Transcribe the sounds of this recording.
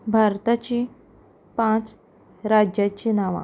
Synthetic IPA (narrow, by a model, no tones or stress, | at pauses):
bʱaɾt̪at͡ɕi | pãt͡s | ɾad͡ʑjat͡ɕinaʋa̰